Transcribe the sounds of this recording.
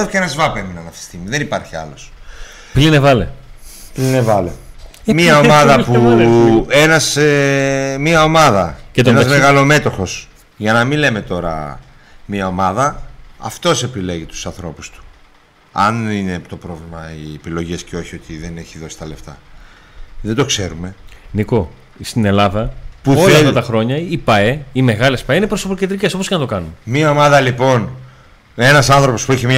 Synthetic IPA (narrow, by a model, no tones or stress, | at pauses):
oceenɐzvɐpe̞minɐnɐft̪e̥st̪iɣmiðenipɐɾçiɐ̰lo̞s | plinevɐlḛplinevɐle | miɐo̞mɐðɐpu | e̞nɐs | miɐo̞mɐðɐcet̪oenɐzmeɣɐlo̞me̞t̪o̞xo̞s | ʝɐnɐminle̞me̞t̪o̞ɾɐ̰ | miɐomɐðɐɐ̰ft̪o̞se̞pile̞ʝit̪u̥sɐnθɾo̞pu̥st̪u̥ | ɐ̰nine̞t̪o̞pɾo̞vlimɐiepilo̞ʝesceo̞çio̞t̪iðe̞ne̞çiðo̞si̥t̪ɐle̞ft̪ɐ | ðed̪o̞kse̞ɾume̞niko̞ | st̪ine̞lɐðɐpuo̞lɐt̪fɐt̪ɐxɾo̞ɲɐipɐe̞ime̞ɣɐle̞spɐeinepɾosoploced̪ɾiceso̞p̬oskenɐt̪o̞kɐnunmiɐo̞mɐðɐlipo̞n | e̞nɐsɐnθɾopo̞spuiçemɲɐ